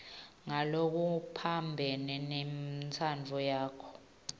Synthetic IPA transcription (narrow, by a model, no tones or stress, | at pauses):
ŋalok̬upʰambʱɛnɛnɛmt͡sʰand͡vʱɔjaːkʰɔ̥